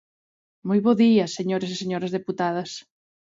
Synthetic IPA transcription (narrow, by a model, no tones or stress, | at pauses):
mojβoðiɐseɲoɾeseseɲoɾɐzðeput̪að̞ɐs